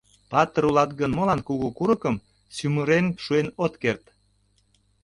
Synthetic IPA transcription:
pɑt̪əɾulɑt̪̚ɡənmolɑnkuɣukuɾəkəm | syməɾenʃuenot̪kert̪

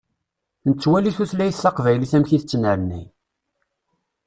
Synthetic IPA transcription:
nət͡sːwæliθuθlæjəθːɑqvæjliθæmçiθət͡sːənəɾnːi

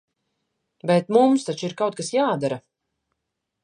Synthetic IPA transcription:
bɛt̪mumst̪at͡ʃiɾkawt̪̚kasjaːd̪aɾa

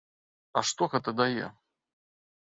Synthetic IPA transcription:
ɐʂt̪oɣɛt̪əd̪ajɛ̰

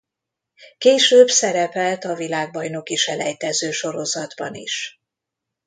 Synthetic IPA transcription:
keːʃøːbsɛɾɛpɛlt̪ɒvilaːɡ̚bɒjno̞kiʃɛlɛjt̪ɛzøːʃo̞ɾo̞zɒd̪bɒnḭʃ

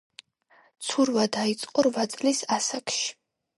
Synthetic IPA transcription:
t̪sʰuɾvad̪ait̪sʼqʼɔɾvat̪sʼlisasakʃi̥

